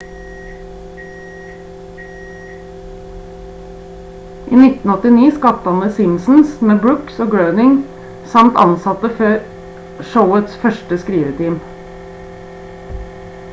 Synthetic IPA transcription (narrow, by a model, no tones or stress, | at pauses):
ʔiːnɪt̪n̩ɔt̪ɪniːskɑt̪ɑnəsɪmsn̩smeːbɹʉksoːɡɹəʉnɪŋ | sɑmt̪ɑ̰nsɑt̪əføːɾ | ʃəʊət̪sfœʃʈəskɾiːʋət̪ʰiːm